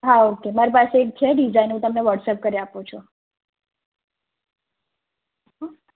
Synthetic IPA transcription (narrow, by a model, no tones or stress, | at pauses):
ɦaokemaɾipaseːk̚t̪ʰeɖid͡ʒainɦũt̪əmneʋəʈsəp̚kəɾiapũt͡ʃʰo